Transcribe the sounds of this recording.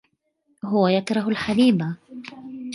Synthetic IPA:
ɦʊwajakɾˤɑɦʊlħaliːba

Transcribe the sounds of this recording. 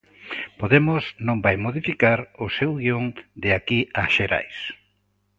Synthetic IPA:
poðemʊsnõmbajmoð̞ifikaɾʊsewɣioŋd̪eakiaʃeɾa̰js

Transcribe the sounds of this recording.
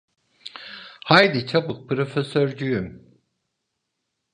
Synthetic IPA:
hajd̪it͡ʃʰabɯq̚pʰɾo̞fesøɾd͡ʒyjym

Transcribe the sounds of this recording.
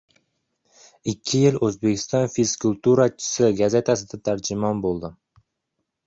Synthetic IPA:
ɪkʲʰːɪjɪlɵzbe̞kʲʰɪ̥st̪ɒnfiskulʲˠt̪uɾat͡ʃʰɪ̥sɪɡaze̞t̪ʰasɪd̪at̪ʰaɾd͡ʒɪmɒnbolˠd̪ɪ

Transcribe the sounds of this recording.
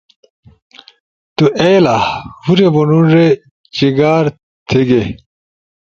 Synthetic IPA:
t̪uʔejlahuɾebunuɾe | t͡ɕiɡaːɾ | t̪ʰeɡe

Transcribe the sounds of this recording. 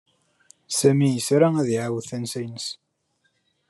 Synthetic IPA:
sæmijəsɾaæðiʕawðθænsæjnəs

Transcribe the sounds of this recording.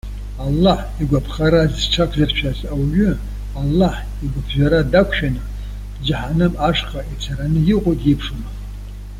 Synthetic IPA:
alːaħ | iɡʷapʰχaɾazʈ͡ʂʰakʷʰzart͡ʃʷʰazawɥʷᶣʏ | alːaħ | iɡʷapʰʒʷᶣaɾadakʷʰʃᶣanɨ | d͡ʒaħanɨmaʂqʼait͡sʰaɾanɨjiqʷʼojtʼipʰʂɨma

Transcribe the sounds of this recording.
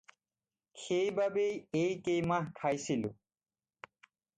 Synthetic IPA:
xʰejbabejejkejmãɦkʰajsilṵ

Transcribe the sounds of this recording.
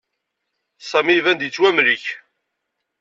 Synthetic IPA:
sˤæmivænd̪it͡sːwæmɾiç

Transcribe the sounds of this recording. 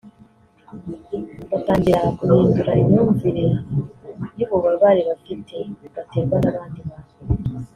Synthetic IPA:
βataːɲɟiɾaakuhiːnduɾaimɲuːɱviɾiɾa | niβoβaβaːɾiβafitʰe̞βate̞ːɾɡwanaβaːndiβaːwo

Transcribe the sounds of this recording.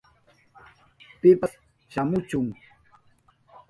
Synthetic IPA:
pɪpas | ʃamʊt͡ʃʊŋ

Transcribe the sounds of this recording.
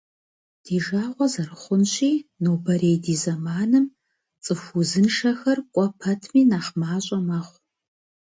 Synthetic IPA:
d̥iːʒaːʁʷɔzɐrɨχʷʊnɕiːnoːbɐɾejdiːzɐmaːnɨm | t͡sʼɨfʷuzɨnʂɐxɐrkʷʼɔpʰɐtʰmiːnaːχmaːɕʼɐmɐχʷ

